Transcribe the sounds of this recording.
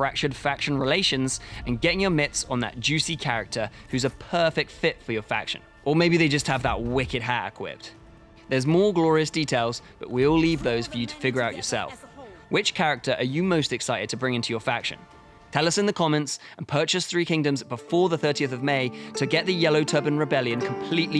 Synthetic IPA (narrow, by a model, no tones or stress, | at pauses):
fɹæk̚t͡ʃəd̥fækʃə̃nɹɪleɪʃɨ̃nzə̃nɡɛɾɪ̃ŋjəmɪtsn̩ðə̰t̚d̥ʒ̥ʉsikʰæɹɪ̰k̚tʰə˞hʉzəpʰɜˑ˞fɪk̚tfɪtfəjə˞fæ̰kʃɨ̰̃n | əmeɪbiðeɪd͡ʒʌst̚həvðə̰ʔ̚wɪkɨd̚ɦæɹɪ̰kʰw̥ɪ̰p̚t | ðəzmɔːɡlɔɹiɨsd̥itʰeɪlˠzb̥ʌ̰ʔwiɔlivðoʊz̥fə˞jɨtʰə̥fɪɡjəɹaʊt͡ʃə̰˞sɛ̰lˠfwɪt͡ʃkʰæɹɪk̚tʰə˞ʔəjɨməʊstɨksaɪɾɨd̚tʰəbɹɪ̃ŋɪ̃ntʰʉjəfækʃɨ̰̃n | tʰɛlˠʌsɨ̃nðəkʰɑmɛ̃ntsə̃npʰɜˑ˞t͡ʃɨsθɹikʰɪ̃ŋdɨ̃mzbəfɔɹðəθɜˑ˞ɾiəθəvmeɪtʰɨɡɛʔ̪̚ðɨjɛloʊtʰɜ˞bɨ̃nɹɨbɛlˠjɨ̃nkʰə̃mpʰl̥iʔli